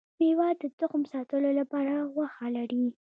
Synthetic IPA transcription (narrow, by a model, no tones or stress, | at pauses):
mewɑd̪ət̪ʊxmsɑt̪əlolapɑɾawaxalaɾi